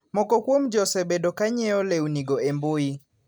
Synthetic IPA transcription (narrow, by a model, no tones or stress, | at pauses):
mɔkɔkwomd͡ʒɔsɛbɛdɔkaɲɛɔlɛuniɡɔɛmboi